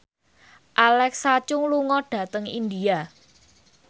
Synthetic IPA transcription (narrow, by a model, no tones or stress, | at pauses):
ʔalɛksat͡ʃʊŋluŋɔɖ̥ä̤t̪əŋind̪ia